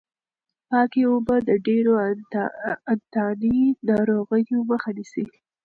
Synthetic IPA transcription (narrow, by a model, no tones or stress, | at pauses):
pɑkeobad̪əɖeɾo | ant̪ɑninɑɾoɣəjoməxanisi